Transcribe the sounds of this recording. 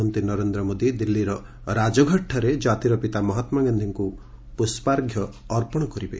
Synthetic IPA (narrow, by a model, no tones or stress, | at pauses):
ɔnt̪inɔɾend̪ɾɔmod̪id̪ilːiɾɔ | ɾad͡ʒɔɡʱɔʈʰːɔɾed͡ʒat̪iɾɔpit̪amɔɦɔt̪maɡand̪ʱiŋku | puspaɾɡʱjɔː | ɾpɔɽ̃ɔkɔɾibe